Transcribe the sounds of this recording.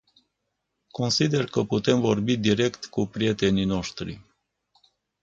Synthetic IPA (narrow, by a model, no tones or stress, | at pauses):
ko̞nsid̪e̞rkəput̪e̞mvo̞rbid̪iɾe̞kt̪kupɾije̞t̪e̞nino̞ʃt̪ɾḭ